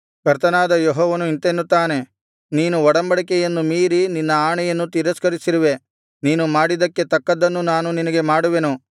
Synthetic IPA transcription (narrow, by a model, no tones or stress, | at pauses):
kɐɾt̪ɐnaːd̪ɐjɔɦɔːʋɐnuint̪enːut̪ːaːne̞ | niːnuɔɽɐmbɐɽikɛjɐnːumiːɾininːɐaːɳɛjɐnːut̪iɾɐskɐɾisiɾiʋe̞ | niːnumaːɽid̪ɐkːe̞t̪ɐkːɐd̪ːɐnːunaːnuninɐɡe̞maːɽuʋenu